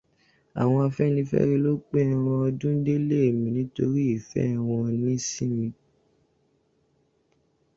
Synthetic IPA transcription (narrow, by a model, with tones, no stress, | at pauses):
a̰˨w̃ɔ̃˧a˧fɛ˦nĩ˧fɛ̰˦ɾe˧lo˦k͡pe˦ɾ̃ɔ̃˧ɔ˧dũ˦de˦le˦e˨mĩ˨nĩ˨˦to˧ɾi˦i˦˨fɛ̰˦˨w̃ɔ̃˧nĩ˦si˦mĩ˧